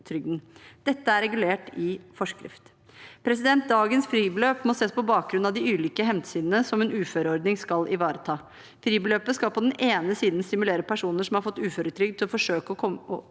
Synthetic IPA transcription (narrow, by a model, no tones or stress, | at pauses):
t̪ʰɾʏɡd̪nd̪̥ɛt̪ːəæɾɛɡʉleːʈɪfɔʂkɾɪ̰ft̪ | pʰɾɛs̬ɪd̪ɛnt̪̚d̪ɑːɡənsfɾiːbəløːpmɔseːspɔbɑːk̚ɡɾʉnɑʋd̪ɪʉːliːkəɦɛmt̪siːd̪ənəsɔmɛːnʉːføːɾəɔɾɖ̪nɪŋskɑlʔɪʋɑːɾət̪ʰɑː | fɾiːbəløːpəskɑlpʰɔd̪ɛneːnəsiːd̪nst̪ɪmʉleːɾəpʰæʂuːnəʂɔmhɑɾfɔt̪ːʉːføːɾət̪ʰɾʏɡ̪̚ʰɪlɔfɔʂøːkəɔɔɔ